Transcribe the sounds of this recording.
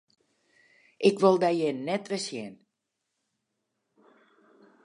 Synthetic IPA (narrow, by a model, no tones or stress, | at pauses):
ʔɪkʋolˠdɛjjɛjnɛtʋɪsjɛ̰n